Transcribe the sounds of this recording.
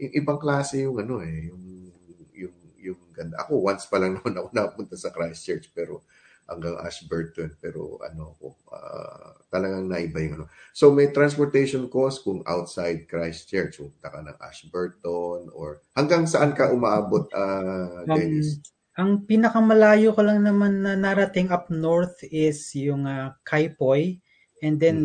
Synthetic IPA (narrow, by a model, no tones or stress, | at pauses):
jʊŋʔɪbaŋklaːsɛjʊŋɐno̞ʔɛjʊŋ | jʊŋjʊŋɡɐnd̪aʔɐ̰ko̞wanspɐlɐŋnɐmanɐkonɐkɐpunt̪asɐkɹajst͡ʃɛɹt͡ʃpɛːɾo̞̰ | hɐ̰ŋɡaŋʔa̰ʃbɛɹt̪onpɛːɾo̞̰ʔɐ̰no̞ɐko̰ʔa̰t̪ɐlɐɡaŋnɐʔɪbajʊŋʔɐnosomɐjt̪ɾanspoɹt̪ɛjʃonko̞skʊŋa̰wt̪̚sajd̪̚kɹajst͡ʃɛɹt͡ʃkʊbut̪ɐkɐnɐ̰ŋʔa̰ʃbɛɹt̪ono̰ɹ | hɐŋɡaŋsɐʔankɐʔʊmaʔaːbot̪̚ʔɐdɛs | ʔɐŋpinɐkɐmɐlaːjokolɐŋnɐmanːɐnɐɾɐt̪ɪŋɐp̚noɹt̪ɪsjʊŋakʰajpoj | ʔɛnd̪ɛn